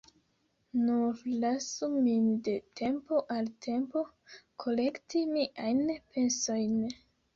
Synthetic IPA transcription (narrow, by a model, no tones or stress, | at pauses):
nuɾlasuminde̞tʰempo̞ʔaltʰe̞mpo̞ | kʰo̞le̞ktimiʔajnpʰe̞nso̞jn